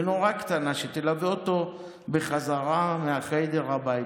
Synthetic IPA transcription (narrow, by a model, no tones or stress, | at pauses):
no̞ʁakt̪anaʃet̪elaveot̪o̞ | beχazaʁameaχed̪e̞ʁabai